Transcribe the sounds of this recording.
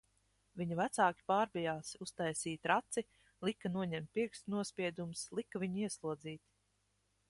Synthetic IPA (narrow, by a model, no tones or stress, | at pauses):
vʲiɲuvæt̪saːkʲi̥paːɾbijaːsust̪ajsiːt̪ɾat̪si | lˠikːanuɔɲɛmt̪̚ʲpiɾksnuɔspʲiɛd̪umslˠikːavʲiɲiɛslˠuɔd̪ziːt̪